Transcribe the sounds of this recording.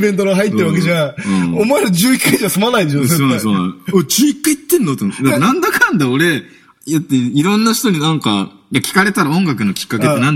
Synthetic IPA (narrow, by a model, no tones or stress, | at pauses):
bẽ̞nt̪̬oɾaɦait̪ːeɾɯβak̬eʑãɯ̃omoeɾod͡ʑɨːikːaid͡ʑiβasomanaid̪eɕossoːñsoːnã̰ot͡ɕiikːait̪ːẽ̞nːot̪ːomot̪ːd̪akːnãnd̪akʰãnd̪ao̞ɾe̞ | jat̪ːeiɾõ̞nːaç̥t̪o̞ɲ̟ʲinãŋka̰ | jakʲi̥kaɾe̞t̪aɾaõ̞ŋɡakɯ̟no̞kʲi̥kːaket̪ːenãn